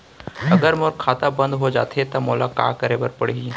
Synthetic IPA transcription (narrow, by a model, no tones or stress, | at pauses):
ɐɡəɾmoɾkʰaːt̪abɐ̃nd̪ɦod͡ʒa̰ːt̪et̪ɐmɔːlaka̰ːkəɾeːbəɾpɐɽeɡi